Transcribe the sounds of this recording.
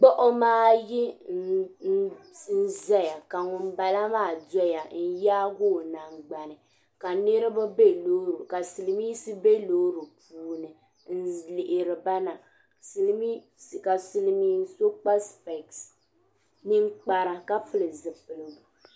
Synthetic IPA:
k͡pɔ˦ʔɔ˦maː˦ji˦ | n̩˦n̩˦za˦ja˨ka˨ŋʊ˨m˦ba˨la˦maː˦˨dɔ˦ja˨n̩˦jaː˦ɡo˦˨na˨ŋ͡mɡ͡ba˨nɨ˨ | ka˨ne˦ɾɨ˦ba˦be˦lo˦ɾu˨ka˨sɨ˨lɨ˨miː˦sɨ˦be˦lo˦ɾu˨pʰuː˨˦nɨ˨ | n̩˦lɪ˨ʔɪ˨ɾɪ˨ba˦na˨ | sɨ˨lmi˦ | ska˨sɨ˨lmiː˦so˦k͡pa˦spɛ˨ks | nɨ˦ŋ˦k͡pa˨ɾa˨ka˦fɨ˦lɨ˨zɨ˨pɨ˨lɨ˨bu˨

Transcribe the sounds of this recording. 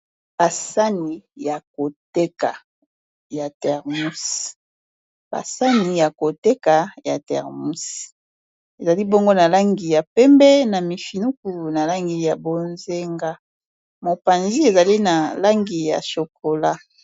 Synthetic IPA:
b̥a˨sa˦ni˨ja˨ko˨tɛ˦ka˨ | ja˨tɛ˨ʁmu˦si̥˨ | ba̰˨sa˦ni˨ja˨ko˨tɛ˦ka˨ja̰˨tɛ̰˨ʁmu˦si̥˨ | e˨za˨li˦bo˦ŋɡo˦na˨la˦ŋɡi˨ja˨pɛ˦mbɛ˦na˨mi˨fi˨nu˦k̚u˨na˨la˦ŋɡi˨ja˨bo˨nze˦ŋɡa˦ | mo˨pa˨nzi˦e˨za˨li˦na˨la˦ŋɡi˨ja̰˨ʃo˨ko˨la˦

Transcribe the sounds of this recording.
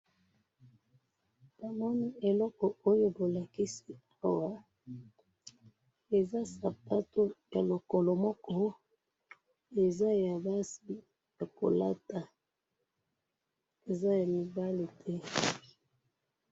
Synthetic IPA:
ba˨mɔ˦ni˦e˨lɔ˦kɔ˨o˦jo˦bo˨la˨ki˦si˦a˦wa˦ | e˨za˦sa˨pa˦to˦ja˨lo˨kɔ˨lɔ˨mɔ˦kɔ˦ | e˨za˦ja˨ba˦si˦ | ja˨ko̰˨la̰˦ta˨ | e˨za˦ja˨mi˨ba˦li˨tʰɛ˦

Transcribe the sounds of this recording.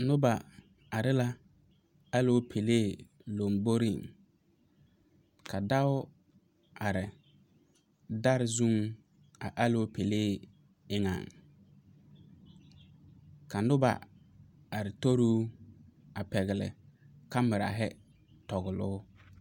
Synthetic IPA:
nʊ˦ba˨ | a˨ɾɪ˦la˦ | a˦lo˦pʰe˨leː˦˨ | lo˨mbo˦ɾi˦˨ŋ | kʰa˨da˦ʊ˦ | a˨ɾɪ˨ | da˦ɾɪ˦zu˦ŋ | a˨ʔa˦lo˦pe˨leː˦˨ | ɪ˦ŋa̰˨ŋ | ka˨nʊ˦ba̰˨ | a˨ɾɪ˨to˦ɾuː˦ | a˨pɛ˨ɣɪ˨lɪ̰˨ka˦mɪ˨ɾa̰˨ɦɛ˦ | tɔ˨ɣɪ˨lʊ̰ː˦

